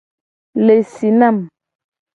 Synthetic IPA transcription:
le˨si˨na˦˨m

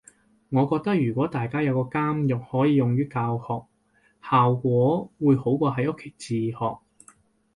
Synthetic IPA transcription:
ŋɔː˨˧kɔː˧k̚t̪ɐ˥k̚jyː˨˩kʷɔː˨˥t̪aː˨jkaː˥jɐ˨˧wkɔː˧kaː˥mjʊ˨k̚hɔː˨˥jiː˨˧jʊ˨ŋjyː˥kaː˧whɔː˨k̚ | haː˨wkʷɔː˨˥wuː˨˧jho˨˥wkʷɔː˧ɦɐ˨˧jʔʊ˥kʰe˨˩jt͡siː˨hɔː˨k̚

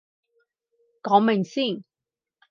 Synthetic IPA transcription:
kɔː˨˥ŋmɪ˨ŋsiː˥˩n

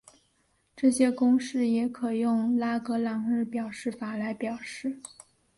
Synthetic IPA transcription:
ʈ͡ʂɤ˥˩ɕjɛ˥kʊ˥ŋʂɻ̩˥˩jɛ˧˥kʰɤ˨˩jʊ˥˧ŋla˥kɤ˧˥lɑ˨˩ŋɻɻ̩˥˩pjɑ˨˩ʊʂɻ̩˥˩fa˨˩la˧˥ɪpjɑ˨˩ʊʂɻ̩˥˩

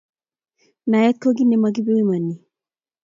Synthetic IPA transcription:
na˨jɛ˦t̪̚ko˦ɡi˦nɛ˨ma˨ɡi˦be˦wi˦ma˨ni˨

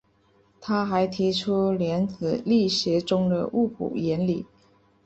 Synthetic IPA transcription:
t̪ʰa˥xa˧˥ɪt̪ʰi˧˥ʈ͡ʂʰu˥ljɛ˧˥nt͡sɹ̩˨˩li˥˩ɕjɛ˧˥ʈ͡ʂʊ˥ŋd̪ə̰˨ʔu˥˩kʰṵ˨˩jɛ˧˥nli˨˩˦

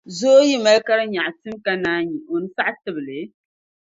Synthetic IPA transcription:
zo˦ji˦ma˦lka˦ɾɨ˦ɲa˨ʔtɨ˦mka˦naː˦ɲi˨ʔo˨nɨ˦sa˦ʔtɨ˦˨bɨ˨lɨ˨˦

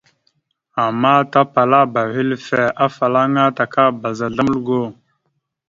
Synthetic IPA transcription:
a˨mːa˦ta˦pa˨la˦ba˨hi˦lfe˨ʔa˦fa˨la˦ŋa˦ta˨ka˦ba˨za˨ɮa˦m˦lɡo˦˨

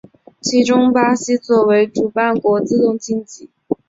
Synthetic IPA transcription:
t͡ɕʰi˧˥ʈ͡ʂʊ˥ŋpa˥ɕi˥t͡swɔ˥˩we˧˥ɪʈ͡ʂu˨˩pa˥˩nkwɔ˧˥t͡sɹ̩˥˧t̪ʊ˥˩ŋt͡ɕi˥˧ŋt͡ɕi˥˩˦

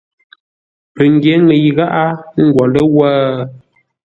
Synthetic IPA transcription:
pə˨ŋ˦ɡje˨˦ŋə˨jɣa˦ʔa˦ŋ̩˦ɡwɔ˨lə˦waː˦

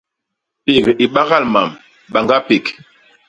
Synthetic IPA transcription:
pe˨ɣi˨ɓa˦ɣa˦lma˨m | ɓa˨ŋɡa˦pe˨k

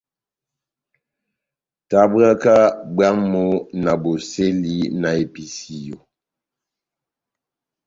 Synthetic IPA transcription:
ta˨ba˦ka˦ba˦ŋmo˦na˨bo˨se˦li˦na˨e˨pi˦si˦jo˨

